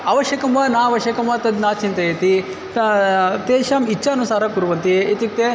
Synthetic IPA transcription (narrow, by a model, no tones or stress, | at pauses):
ɐʋɐʃjɐkɐmʋaːnaːɐʋɐʃjɐkɐmʋaːt̪ɐd̪naːt͡ʃint̪ɐjet̪i | t̪t̪eːʃaːmit͡ʃʰːɐɐnusaːɾɐkuɾuʋɐnt̪iet̪ik̚t̪e